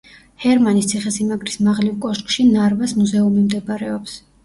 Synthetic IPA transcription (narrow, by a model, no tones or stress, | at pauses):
hɛɾmanist̪sʰiχɛsimaɡɾismaʁlivkʼɔʃkʼʃinaɾvasmuzɛumimd̪ɛbaɾɛɔps